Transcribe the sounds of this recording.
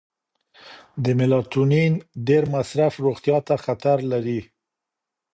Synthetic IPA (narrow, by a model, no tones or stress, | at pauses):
d̪əmɪlɑt̪uninɖeɾmasɾafɾoɣt̪jɑt̪axat̪aɾlaɾi